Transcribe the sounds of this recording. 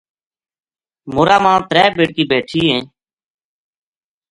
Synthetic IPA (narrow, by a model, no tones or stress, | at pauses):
moːɾaːmãːt̪ɾɛːbeːɽkiːbeːʈʰiːɦẽː